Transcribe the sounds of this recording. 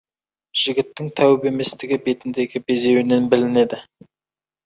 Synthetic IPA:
ʒ̥ɪɡʲɪt̪ːɪŋt̪ʰæwɪbe̞me̞st̪ɪɡʲɪbe̞t̪ɪnd̪e̞ɡʲɪbe̞ze̞wne̞nbɪlɪne̞d̪ɪ

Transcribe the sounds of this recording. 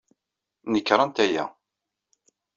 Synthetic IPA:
nəkːɾˤɑnt̪æjæ̰

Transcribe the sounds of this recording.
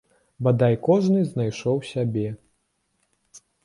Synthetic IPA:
bad̪ajkɔʐnɨzʲn̪ajʂɔwsʲabʲɛ

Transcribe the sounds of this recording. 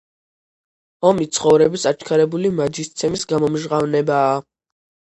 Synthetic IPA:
ɔmit̪sʰχɔvɾɛbisat͡ʃʰkʰaɾɛbulimad͡ʒist̪sʰɛmisɡamɔmʒʁavnɛbaː

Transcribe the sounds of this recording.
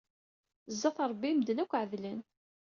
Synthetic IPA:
zːɑθɾˤbːimd̪ənækʷːʕəðlən

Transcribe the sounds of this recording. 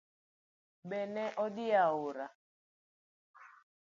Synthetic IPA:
ɓɛnɛʔɔdiaoɾa

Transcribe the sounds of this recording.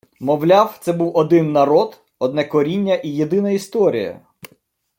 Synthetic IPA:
mɔwlʲawt̪sɛbuwɔd̪ɪnːɐɾɔd̪ | ɔd̪nɛkɔɾʲinʲːɐʔijed̪ɪnɐist̪ɔɾʲḭjɐ̰

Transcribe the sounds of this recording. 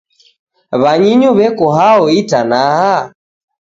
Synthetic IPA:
βaɲiɲuβɛkɔɦaɔitanaha

